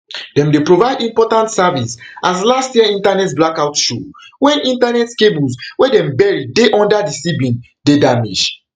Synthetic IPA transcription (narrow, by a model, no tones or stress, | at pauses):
d̥ɛ̃mdepɹovaɪdĩmpɔtãntsavisʔas̬lastjiɛĩntanɛtblakaʊtʃowɛ̃nĩntanɛtkebulswɛdɛ̃mbɛɹideʔɔ̃ndadisibĩn | dedamḭd͡ʒ